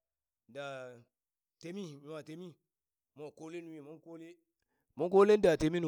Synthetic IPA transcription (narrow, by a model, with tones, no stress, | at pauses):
da˨ | te˨˦mi˦i˨wa˨te˨˦mi˦ | mo˨ko˦le˦nu˨wi˨mo˦ko˦le˦ | mo˦ko˦le˦n˦da˨te˨mi˦nu˨